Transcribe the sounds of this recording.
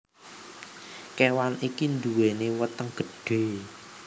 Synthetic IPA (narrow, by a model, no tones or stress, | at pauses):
kewanikind̪uwenewət̪əŋɡ̥ə̤ɖ̥e̤